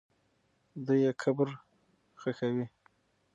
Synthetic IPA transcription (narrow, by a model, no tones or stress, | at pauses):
d̪ujekʰabɾ | xəkawi